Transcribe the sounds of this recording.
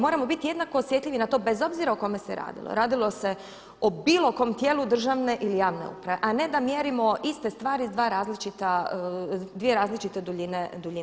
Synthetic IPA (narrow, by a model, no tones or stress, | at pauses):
mo̞ːɾamo̞bit̪ije̞d̪nako̞ːsʋje̞t̪ʎʲiʋinat̪o̞ːbezo̞bziɾaoko̞me̞seɾa̰ːd̪ḭlˠo̰ɾaːd̪ilˠo̞se̞ | obilˠo̞ko̞mt̪jeːlud̪r̩ʒaʋne̞ʔilijaːʋne̞̰ṵpɾaʋe̞ʔane̞d̪amjeːɾimo̞ist̪e̞st̪ʋaːɾid̪ʋaːɾaːzlit͡ʃit̪a | d̪ʋije̞ɾaːzlit͡ʃit̪ed̪uʎined̪uʎin